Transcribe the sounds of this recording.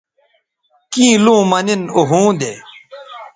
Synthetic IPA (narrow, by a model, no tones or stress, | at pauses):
kĩːlũːmɐninoɦũːd̪eː